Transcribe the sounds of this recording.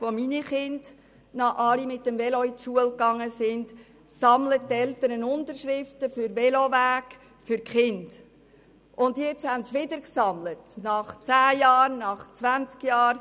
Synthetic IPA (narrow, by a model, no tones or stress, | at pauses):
ʋominiχɪnd | nɑʔɑlimɪtːəmvɛlɔitʃuəlkɑŋːəsɪnd | sɑmlət̚tɛlt̪əɾənʊntəɾʃɾɪftəfʏɾvɛlovæːk | fʏɾkχɪnd̥ | ʔʊnd̪jɛt͡shæntsʋɪdəɾksɑmlətnɑχt͡sæːjɑːrnɑχt͡svænt͡skjɑːɾ